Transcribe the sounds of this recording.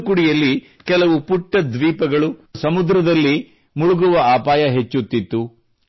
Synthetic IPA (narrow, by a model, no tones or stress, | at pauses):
kuɽijɐlːi | kɛlɐʋupuʈːɐd̪ʋiːpɐɡɐɭusɐmud̪ɾɐd̪ɐlːi | muɭuɡuʋɐaːpaːjɐɦet͡ʃːut̪ːit̪ːu